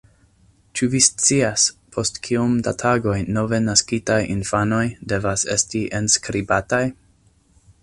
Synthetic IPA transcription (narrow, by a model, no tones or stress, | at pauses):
t͡ʃuvist͡siaspʰo̞stkʰiumda̰tʰaɡo̞jno̞ve̞naskitajʔinfano̞jde̞vase̞stiʔenskɾibataj